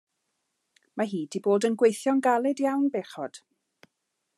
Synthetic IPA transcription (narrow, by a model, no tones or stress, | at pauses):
maɦiːdiboːdənɡwejθjɔnɡalˠɛdjawnbeχɔd̥